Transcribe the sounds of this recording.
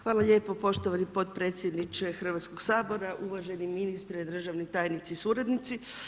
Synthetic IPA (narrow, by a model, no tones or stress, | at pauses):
xʋaːlaʎeːpo̞po̞ʃt̪oʋanipo̞t̪̚pɾe̞ːt̪sʲjed̪nit͡ʃexr̩ʋat̪sko̞ɡsaːbo̞ɾaʔuʋaʒeniminist̪ɾɛd̪r̩ʒaʋnit̪aːjnit̪sisuːɾad̪nit̪si